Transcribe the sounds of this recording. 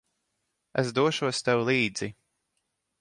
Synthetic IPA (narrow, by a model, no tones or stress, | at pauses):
ɛs̬d̪uɔʃuɔst̪ɛwlˠiːd̪zi